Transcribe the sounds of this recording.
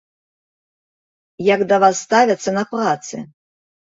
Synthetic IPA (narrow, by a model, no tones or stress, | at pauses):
jakd̪ɐvasːt̪avʲɐt̪sːɐnɐprat̪sɨ̰